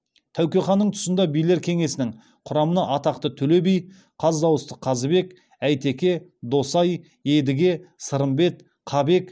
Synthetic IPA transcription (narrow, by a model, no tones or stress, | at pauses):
t̪ʰæwkʲe̞χɑnːəɴt̪ʰʊ̥sənd̪ɑbijle̞ɾkʲʰe̞ŋe̞sɪnɪŋ | qʰʊɾɑmənɑʔɑt̪ɑq̚t̪ət̪ʰɵle̞bij | qʰɑzd̪ɑwəst̪ə̥qʰɑzəbe̞k | æjt̪e̞kʲe̞d̪o̞sɑj | e̞d̪ɪɡʲe̞səɾəmbe̞t̪ | qʰɑbe̞k